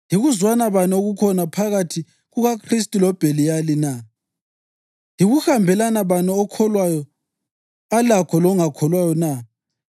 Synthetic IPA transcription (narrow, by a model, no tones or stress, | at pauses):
niɣuzwanaβanoɣukʰɔnapʰaɣatʰi | ɣuɣakʰristʼilɔb̥ʱelijalina | iɣuxambʱɛlanaβanɛːkʰɔlwajɔ | alakʰɔlɔŋakʰɔlwajɔna